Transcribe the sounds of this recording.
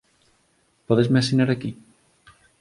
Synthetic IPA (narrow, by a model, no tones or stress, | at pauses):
pɔðezmeasinaɾaki